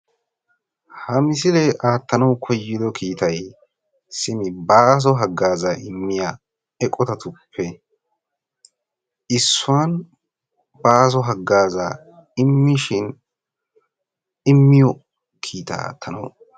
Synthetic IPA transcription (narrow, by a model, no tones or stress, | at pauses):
hɐmɪs̬ɪlɛʔaːt̪ːɐnɐwkʰɔjːɪd̪ɔkʰiːt̪ɐj | sɪmɪbaːs̬ɔɦɐɡːaːzaʔɪmːɪja | ɛkʼɔt̪ɐt̪ʊpʰːɛ | ɪsːʊwan | baːs̬ɔɦɐɡːaːza̰ | ɪmːɪʃɪn | ɪmːɪjɔ | kʰiːt̪ɐ̰a̰ːt̪ʰːɐnɐ̰w